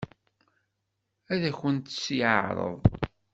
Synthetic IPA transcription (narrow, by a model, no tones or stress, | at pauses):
æðæçənt̪sjɾˤə̰ðˤ